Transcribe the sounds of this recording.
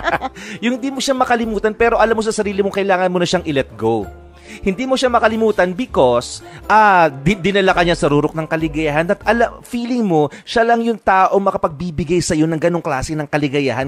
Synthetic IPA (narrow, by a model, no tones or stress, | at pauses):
jʊŋhɪnd̪iːmoʃamɐkɐlɪmuːt̪ɐnpɛːɾo̞ʔɐlamːosɐsɐɾiːlɪmoŋkɐʔɪlaːŋɐnmonɐʃaŋʔɪlɛt̪̚ɡow | hɪnd̪iːmoʃamɐkɐlɪmuːt̪ɐnbɪko̞sʔaːd̪ɪnɐlɐkɐɲɐsɐɾuːɾok̚nɐŋkɐlɪɡɐjahɐnd̪ɐt̪ʔɐlɐfiːlɪŋmo̞ʃalɐŋjʊŋt̪aːʔo̞ŋmɐkɐpɐɡ̚bibɪɡajsɐjo̞nɐŋɡɐno̞ŋklaːsɪnɐŋkɐlɪɡɐjahɐn